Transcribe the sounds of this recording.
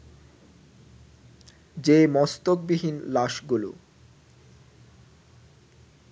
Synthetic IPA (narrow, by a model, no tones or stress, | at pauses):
d͡ʑemɔst̪ok̚biɦinlaʃɡulṵ